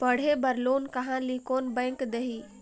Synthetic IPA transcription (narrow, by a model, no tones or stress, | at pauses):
pəɽ̤ebəɾloːnkəɦãlikoːnbə̃ːŋkd̪eɦi